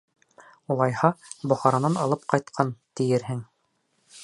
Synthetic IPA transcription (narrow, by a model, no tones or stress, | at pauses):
ulˠɑjhɑbŏχɑɾɑnɑnɑlˠɤp̚qɑjt̪qʰɑnt̪ɘ̆jɘɾɦɘŋ